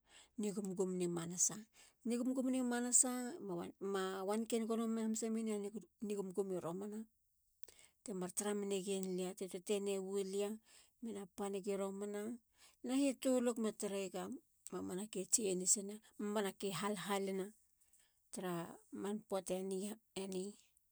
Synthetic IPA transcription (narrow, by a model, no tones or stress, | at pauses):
niɡumɡumnimanasaniɡumɡumnimanasa | mawankenɡonomeamsaminianniɡumɡumiɾomana | temaɾtaɾamineɡenliatetotenewuelia | menapaneɡeɾomana | nahitolokmataɾaɡam | mamanaket͡ʃenisenamamanakeɦalɦalena | taɾamanpoatenieni